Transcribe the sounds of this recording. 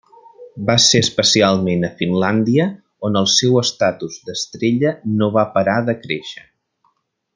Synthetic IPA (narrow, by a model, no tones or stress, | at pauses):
baseəspəsialˠmenəfinland̪iə | onəlˠsɛwəst̪at̪uzd̪əst̪ɾeʎənoβapəɾaðəkɾeʃə